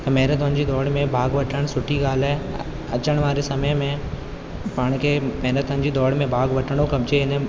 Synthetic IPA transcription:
t̪ɐmɐɦɪɾət̪ʊnɪ̆d͡ʑiːd̪ɔːɽmẽbʱaːɡʋɐʈʰəɽ̃sʊʈʰiɡaːl̤aːe | ɐt͡ɕəɽ̃ʋaːɾesɐməjmẽ | paːɽ̃kʰemɐɦɪɾət̪ənɪ̆d͡ʑiːd̪ɔːɽmẽbʱaːɡʋɐʈəɽ̃okɐbt͡ɕeɦɪnə

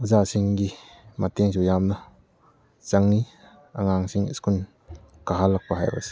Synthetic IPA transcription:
uzasiŋɡi | mat̪eŋsujamnɐ | t͡saŋni | ʔaŋaŋsiŋskun | kɐɦalːɐk̚paɦa̰jba̰si̥

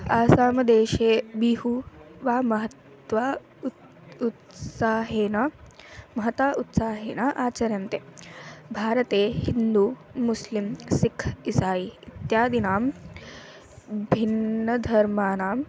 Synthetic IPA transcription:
aːsaːmɐd̪eːʃeːbiɦuʋaːmɐɦɐt̪ | ʋaː | ut̪saːɦeːnɐmɐɦɐt̪aːʔut̪saːɦeːnaːʔaːt͡ʃɐɾjɐnt̪eːbʱaːɾɐt̪eːhind̪uːmuslimsikʰisaːjiit̪jaːd̪inaːm | bʱinːɐd̪ʱɐɾmaːnaːm

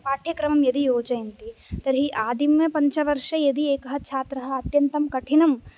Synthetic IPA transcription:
paːʈʰjɐkɾɐmɐmjɐd̪ijoːt͡ʃɐjint̪it̪ɐɾɦiʔaːd̪imːɐpɐ̃ɲt͡ʃɐʋɐɾʃɐjɐd̪ieːkɐɦɐ̆t͡ʃʰaːt̪ɾɐɦɐ̆ːt̪jɐnt̪ɐmkɐʈʰinɐm

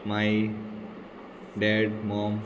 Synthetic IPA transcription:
maɪ | ɖeɖmɔ̃ːm

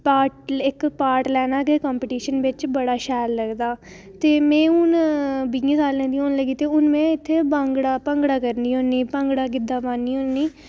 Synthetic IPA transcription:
paːʈɪkpaːɾʈlɛːnaːɡeːkaːmpɪʈiːʃənʋɪt͡ʃbəɽaːʃɛːlləɡd̪aː | t̪eːmɛ̃ːʊnbiĩːsaːlːɛ̃ːnd̪iːoːnləɡiːt̪eːʊnmɛ̃ːɪt̪ʰːeːbaŋɡɽaːpə̃ŋɡɽaːkəɾniːõːniːpə̃ŋɡɽaːkɪd̪aːpaːnːiːoniː

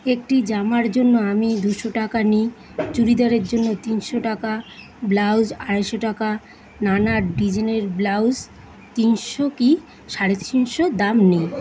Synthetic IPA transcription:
ek̚ʈid͡ʑamaɾd͡ʑonːoamid̪uʃoʈakani | t͡ɕuɾid̪aɾeɾd͡ʑonːot̪inʃoʈaka | blawzaɽaʃoʈaka | nanaɖid͡ʑineɾblawd͡ʑ | t̪inʃoki | ʃaɽet̪t͡ɕinʃod̪amnij

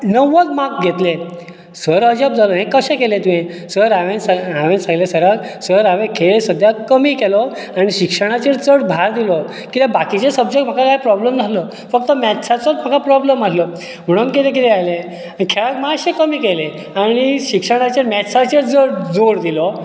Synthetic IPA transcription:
nəʋəkmak̚ɡʱet̪le | sʋəɾəd͡ʑəb̚d͡zalɔɦẽkəɕɛ̃kelẽt̪ũɦẽ | səɾaʋensaʋẽnsãŋɡlesəɾaksʋəɾaʋẽkʰeɭsəd̪ʱjakəmikelɔ | añiɕikʂəɽ̃at͡ɕeɾt͡səɽbʱaɾd̪ilɔ | kit̪ebakit͡ɕesəbd͡ʑektm̤akʰakajpɾɔbləmd͡zʱalɔ | fək̚t̪əmɛtsʰat͡sɔɾm̤akʰapɾɔblemalɔ | m̤əɽ̃unk̬it̪ẽk̬it̪ɛajlẽ | aikʰeɭak̪maɕẽkəmiːkele | añiɕikʂəɽ̃at͡ɕeɾmɛtsat͡ɕeɾd͡zəɽd͡zoɾd̪ilɔ

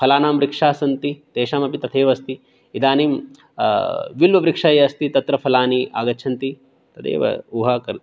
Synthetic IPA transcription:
pʰɐlaːnaːmɾikʂaːsɐnt̪it̪eːʃaːmɐpit̪ɐt̪ʰeːʋɐst̪i | id̪aːniːm | ʋilʋɐʋɾikʂaːjeɐst̪it̪ɐt̪ɾɐpʰɐlaːniʔa̰ːɡɐt͡ʃʰɐnt̪i | t̪ɐt̪ʰḛːʋɐ̰uːɦɐːkɐɾ

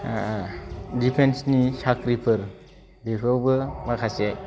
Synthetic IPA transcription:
dipʰensnisakɾipʰɯɾ | bepʰawbɯmakʰase

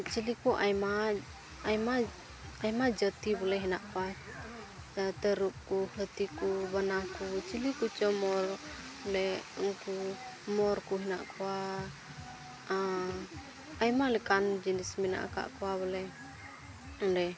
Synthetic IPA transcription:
t͡ʃilikuʔajmaː | jma | ajmad͡ʒət̪ibɔlɛɦɛnaʔkɔwa | t̪əɾup̚kuhət̪ikubənakut͡ʃilikut͡ʃɔmɔɾ | lɛŋkumɔɾkuɦɛna̰ʔkʰɔwa | ajmalɛkand͡ʒənismɛna̰ʔa̰ka̰ʔkɔwaβɔlɛ | ɔdɛ

